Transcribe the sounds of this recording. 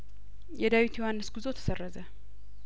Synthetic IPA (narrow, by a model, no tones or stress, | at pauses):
jɛd̪awit̪ʰjɛwanːəsɡɨzot̪ʰə̥sərːəzə